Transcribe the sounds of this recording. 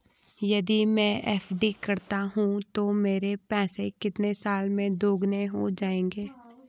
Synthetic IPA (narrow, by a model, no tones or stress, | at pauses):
jɐd̪imɛ̃ːʔɛːfɖikɐɾt̪aɦũt̪omeːɾepɛ̃ːsekɪt̪nesaːlmẽd̪ʱoːɡneɦod͡ʒaːẽːŋɡeː